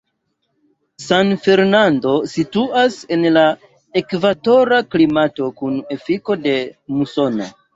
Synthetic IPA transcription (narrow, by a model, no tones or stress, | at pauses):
sanfe̞ɾnando̞situase̞nla | e̞kvato̞ɾaklimato̞kune̞fiko̞de̞muso̞no̰